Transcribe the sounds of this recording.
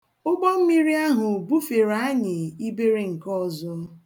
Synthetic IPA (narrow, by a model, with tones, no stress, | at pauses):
ʊ˦ɡ͡bɔ˦m̩˦mi˦ɾi˦a˦ɦʊ˨bu˦fe˨ɾa˦a˦ɲɪ˨i˦be˦ɾe˦ŋ̩˨kɔ˦˨zʊ˦